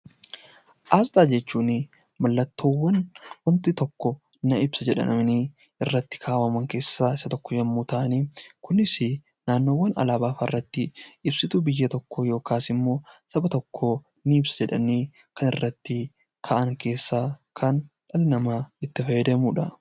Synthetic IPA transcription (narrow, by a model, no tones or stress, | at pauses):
ʔaːst̪ʼaːd͡ʒɛt͡ʃːuːnɪ | mɐlːɐt̪ːo̞ːwːɐnwɐnt̪ɪt̪ɔkːɔ | nɐɪbsɐd͡ʒɛᶑɐ̰nɐmɪniː | ɪrːɐt̪ːɪ̥kʰaːwɐmɐŋke̞ːsːaːɪsɐt̪ɔkːɔd͡ʒɐmːuːt̪aːʔniːkʊnɪsɪ | naːnːo̞ːwːɐnɐ̰laːbaːfɐ̰rːɐt̪ːɪɪbsɪt̪ubɪjːɐt̪ɔkːɔjo̞ːkaːsɪmːo̞ːsɐbɐt̪ɔkʰːoː | nɪɪbsɐ̥d͡ʒɛᶑɐ̰niː | kɐnɪrːɐt̪ːɪ | kʰaːʔɐŋke̞ːsːaːkʰɐn | ᶑɐlnɐmaːɪt̪ːɪfɐjɛd̪eːmuːᶑɐ